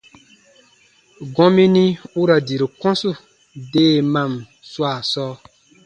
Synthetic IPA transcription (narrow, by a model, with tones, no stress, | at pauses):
ɡɔ̃˦mĩ˦ni˦u˦ɾa˨di˨ɾi˨kɔ̃˦su˦ | deː˦˨mã˨m | swa˦˨sɔː˦